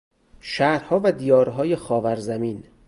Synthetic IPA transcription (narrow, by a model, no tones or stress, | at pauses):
ʃæːɾhɒːvæd̪ijɒːɾɦɒːjexɒːvæɾzæmiːn